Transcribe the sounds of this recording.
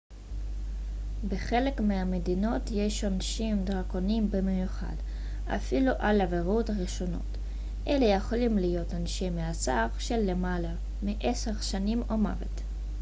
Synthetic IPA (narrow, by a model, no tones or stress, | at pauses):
beχe̞le̞kmiamedino̞tje̞ʃanʃimdʁako̞nimbemejuχa̰d | a̰filuʔalaveʁutaʁiʃo̞no̞̰t | ʔelejeχolimlijo̞tanʃemeat͡saʁʃelːemala | miʔese̞ʁʃanimoma̰vet